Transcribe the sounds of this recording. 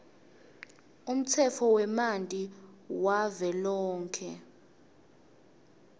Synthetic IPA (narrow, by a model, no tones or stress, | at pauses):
um̩t͡sʰɛfʰɔwɛmantʼiwavɛlɔːŋkʰɛ